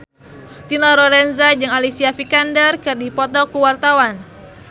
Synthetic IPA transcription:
t̪inɔɾɔɾɛnzad͡ʒɨŋalisiafikandərkɨrdipɔt̪ɔkuwart̪awan

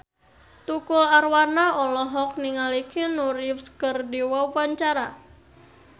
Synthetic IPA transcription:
t̪ukʊlarwanaʔɔlɔɦɔk̚niŋalikinuɾɪfskərdiwawaɲt͡ʃaɾa

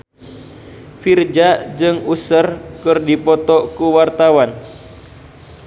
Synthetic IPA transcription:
fird͡ʒad͡ʒɨŋusərkɨrdipɔt̪ɔkuwart̪awan

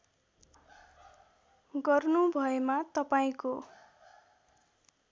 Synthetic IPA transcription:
ɡʌrnubʱʌemat̪ʌpaĩko

